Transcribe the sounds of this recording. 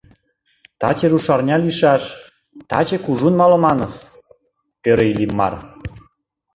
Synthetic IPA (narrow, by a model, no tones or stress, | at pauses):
t̪ɑ̰t͡ɕeɾuʃɑrnʲɑliʃɑʃ | t̪ɑ̰t͡ɕekuʒunmɑlomɑnɤs | øɾeilimːɑ̰r